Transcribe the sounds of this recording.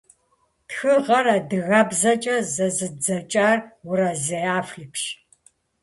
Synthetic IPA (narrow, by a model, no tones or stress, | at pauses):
txɨʁɐrɐdɨɣɐbzɐt͡ʃʼɐzɐzɨd͡zɐt͡ʃʼaːrwʊɾɐzɐjaːfɬɨkʰʃ